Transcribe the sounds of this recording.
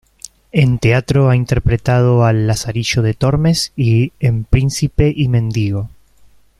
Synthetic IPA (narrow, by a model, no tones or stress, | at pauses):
ent̪eat̪ɾoaint̪e̞ɾpɾet̪að̞oalːasaɾiʒo̞ðe̞t̪o̞ɾme̞siempɾinsipe̞ʔimẽ̞nd̪iɣo̞